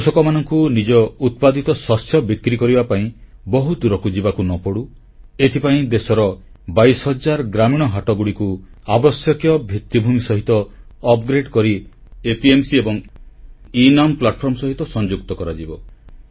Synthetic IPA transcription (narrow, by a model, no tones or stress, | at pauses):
kusɔkɔmanɔŋkunid͡ʒɔut̪̚pad̪it̪ɔswɔsjɔbikɾikɔɾibapaĩ | bɔɦud̪uɾɔkud͡ʒibakunɔpɔɽu | et̪ʰipaĩd̪esɔɾɔ | bajsɦɔd͡ʒaɾɔɡɾamiɽ̃ɔɦaʈɔɡuɽikuabɔsjɔkjɔbʱit̪ːibʱumisɔɦit̪ɔːpɡɾeɖkɔɾi | epiemsiebɔŋ | inamplaʈ̚pʰɔɾmɔsɔɦit̪ɔsɔnd͡ʒuk̚t̪ɔkɔɾad͡ʒibɔ